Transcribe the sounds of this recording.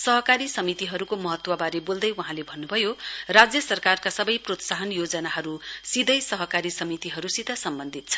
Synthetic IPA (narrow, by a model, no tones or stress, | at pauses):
sʌɦʌkaɾisʌmit̪iɦʌɾukomʌɦʌt̪wʌbaɾebold̪ʌjwuɦãlebʱʌnːubʱʌjorad͡zjʌsʌrkarkasʌbʌjprot̪saɦʌnjod͡zʌnaɦʌɾusid̪ʱʌjsʌɦʌkaɾisʌmit̪iɦʌɾusid̪ʱʌsʌmbʌnd̪ʱit̪̚t͡sʰʌ̥